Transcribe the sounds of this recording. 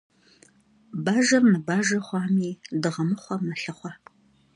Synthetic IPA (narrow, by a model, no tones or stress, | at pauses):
baːʒɐrnɨbaːʒɐχʷɑːmiːdɨʁɐmɨχʷɐmɐɬɨχʷɑ